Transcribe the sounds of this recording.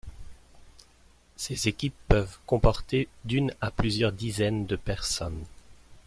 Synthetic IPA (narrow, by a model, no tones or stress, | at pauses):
sezekʲipːœvkɔ̃pɔʁt̪ed̪ynaplyzjœʁd̪izɛnd̪əpɛʁsɔn